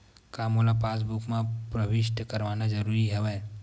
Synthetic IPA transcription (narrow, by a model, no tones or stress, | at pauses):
kaːmolapaːs̬bukmãpɾəbɪʃʈ̪kɐɾʋaːnad͡ʒɐɾuːɾiɦɛʋɛ